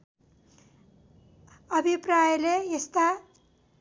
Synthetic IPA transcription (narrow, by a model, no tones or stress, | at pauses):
ʌbʱiprajʌlejest̪a